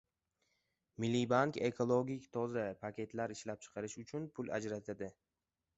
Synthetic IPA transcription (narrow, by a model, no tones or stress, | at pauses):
mɪlːibaŋke̞kʰolˠoɡʲikʲt̪ʰɒzapʰakʲʰe̞t̪ʰlaɾɪʃlap̚t͡ʃʰɨ̥qʰɑɾɪʃʊt͡ʃʰʊnpʰʊla̰d͡ʒɾat̪ʰad̪ɪ